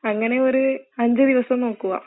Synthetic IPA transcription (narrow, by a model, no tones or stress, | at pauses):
ɐŋːɐne̞o̞ɾuɐɲd͡ʑɨd̪iʋɐsɐmno̞ːkːuɣɐ̰